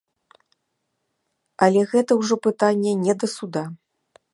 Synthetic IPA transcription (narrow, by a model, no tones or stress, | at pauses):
ɐlʲɛɣɛt̪ɐwʐɔpɨt̪anʲːɛnʲɛd̪ɐsud̪a